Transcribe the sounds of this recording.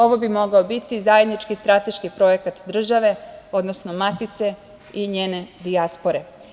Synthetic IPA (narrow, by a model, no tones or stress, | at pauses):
o̞ʋobimo̞ɡaobit̪izaje̞d̪nit͡ʃkist̪ɾat̪e̞ʃkipɾo̞jekat̪d̪r̩ʒaʋe̞od̪nosnomat̪it̪se̞ | iɲeːne̞d̪iaspo̞ɾe̞